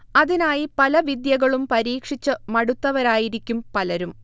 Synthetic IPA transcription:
ɐðinaːjipɐlɐʋid̪jɐɣɐɭumpɐɾiːkʂit͡ɕːɨmɐɽut̪ːɐʋɐɾaːjiɾikʲːumpɐlɐɾum

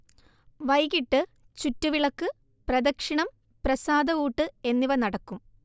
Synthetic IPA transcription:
ʋɐjɣiʈːɨ | t͡ɕutːuʋiɭɐkːɨ | prɐd̪ɐkʂiɳɐm | prɐsaːd̪ɐuːʈːɨe̞nːiʋɐnɐɽɐkːum

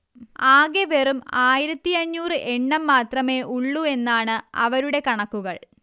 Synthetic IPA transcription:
aːɡeʋerumaːjiɾɐt̪ːiɐɲːuːrɨʔe̞ɳːɐmːaːt̪rɐme̞ːʔuɭːue̞nːaːɳɨɐ̰ʋɐɾuɽe̞kɐɳɐkːuɣɐɭ

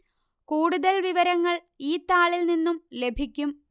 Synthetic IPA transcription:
kuːɽuðɐlʋiʋɐɾɐŋːɐɭ | iːt̪ːaːɭilninːumle̞bʱikʲːum

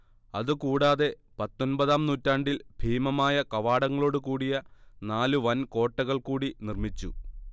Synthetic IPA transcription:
ɐðɨkuːɽaːðe̞ | pɐt̪ːo̞nbɐðaːmnuːtːaːɳɖilbʱiːmɐmaːjɐkɐʋaːɽɐŋːɐɭo̞ːɽukuːɽijɐnaːluʋɐnko̞ːʈːɐɣɐɭkuːɽinirmit͡ɕːṵ

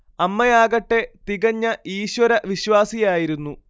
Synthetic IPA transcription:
ɐmːɐjaːɣɐʈːe̞t̪iɣɐɲːɐʔiːɕwɐɾɐʋiɕwaːsijaːjiɾunːu

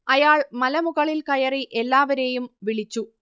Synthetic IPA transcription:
ɐjaːɭmɐlɐmuɣɐɭilkɐjɐriʔe̞lːaːʋɐɾe̞ːjumʋiɭit͡ɕːu

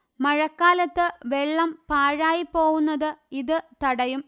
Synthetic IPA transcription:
mɐɻɐkːaːlɐt̪ːɨʋeɭːɐmpaːɻaːjipːo̞ːɣunːɐðɨiðɨt̪ɐɽɐjum

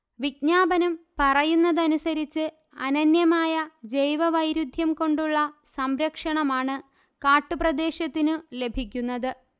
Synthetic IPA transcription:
ʋiɡ̚ɲaːbɐnɐmpɐrɐjunːɐðɐnusɐɾit͡ɕːɨ | ɐ̰nɐnjɐmaːjɐd͡ʑejʋɐʋɐjɾud̪ʱjɐmko̞ɳɖuɭːɐsɐmɾɐkʂɐɳɐmaːɳɨ | kaːʈːuprɐd̪e̞ːɕɐt̪ːinɨle̞bʱikʲːunːɐðɨ

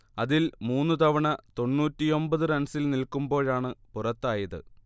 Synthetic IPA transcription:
ɐðilmuːnːut̪ɐʋɐɳɐt̪o̞nːuːtːijo̞mbɐðɨrɐnsilnilkumbo̞ːɭaːɳɨpurɐt̪ːaːjɐðɨ̰

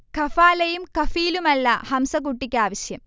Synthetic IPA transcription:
kɐfaːlɐjumkɐfiːlumɐlːɐhɐmsɐk̬uʈːikʲːaːʋɐɕjɐm

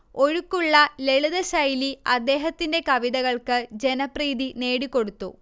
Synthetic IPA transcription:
o̞ɻukːuɭːɐle̞ɭuðɐɕɐjliɐd̪ːe̞ːɦɐt̪ːinde̞kɐʋiðɐɣɐɭkɨd͡ʑe̞nɐpriːðine̞ːɽikːo̞ɽut̪ːṵ

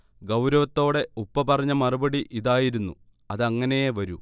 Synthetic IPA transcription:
ɡɐwɾɐʋɐt̪ːo̞ːɽe̞upːɐpɐrɐɲːɐmɐrubɐɽiʔiðaːjiɾunːu | ɐðɐŋːɐne̞jeʋɐɾu

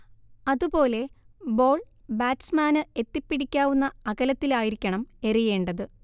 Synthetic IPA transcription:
ɐðupo̞ːle̞ | bo̞ːɭ | baːtsmaːnɨe̞t̪ːipːiɽikʲːaːʋunːɐɐɣɐlɐt̪ːilaːjiɾikʲːɐɳɐme̞rije̞ːɳɖɐðɨ

